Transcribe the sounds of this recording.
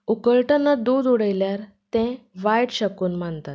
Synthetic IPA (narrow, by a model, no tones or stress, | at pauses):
ukəlʈənːad̪ud̪uɽəjljaɾ | t̪ɛ̃ʋajɽɕəkuːnməɳt̪at̪̚